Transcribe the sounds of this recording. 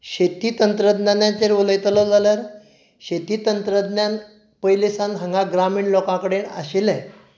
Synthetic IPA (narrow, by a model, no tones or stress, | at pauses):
ɕet̪iːt̪ənt̪ɾəd̪njanjãt͡ɕeɾuləjt̪lɔd͡zaljaɾ | ɕet̪iːt̪ənt̪ɾəd̪njan | pəjlisãnɦəŋɡaɡɾamiːɳlɔkãkəɽena̰ɕelɛ